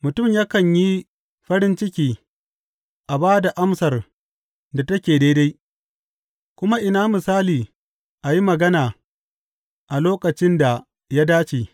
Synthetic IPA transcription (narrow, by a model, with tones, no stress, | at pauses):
mʊ˨tʊ˦˨mjaː˦kɐ˨ɲji˦ | ɸɐ˦ɾɪ˦nt͡ʃɪ˦kʲiː˨ | ʔa˨baː˦da˨ʔa˦msɐ˨r | da˨tɐ˦kʲeː˨de˦da˦j | kʷʊ˦ma˦ʔɪ˦naː˦mɪ˨saː˦liː˨ | ʔa˨ji˦mɐ˨ɡɐ˦naː˨ | ʔa˨loː˦kɐ˨t͡ʃɪ˦nda˨ | ja˦daː˦t͡ʃeː˨